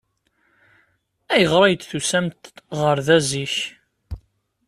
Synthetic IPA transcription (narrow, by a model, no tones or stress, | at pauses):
æjəʁɾˤɑjd̪θusæmt̪ʁəɾðæziç